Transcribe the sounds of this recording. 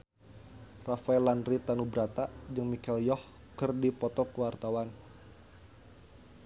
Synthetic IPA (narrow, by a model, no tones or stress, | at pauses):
rafaɛlanɾit̪anubɾat̪ad͡ʒəŋmikɛljɔh | kərdipɔt̪ɔkuwart̪awan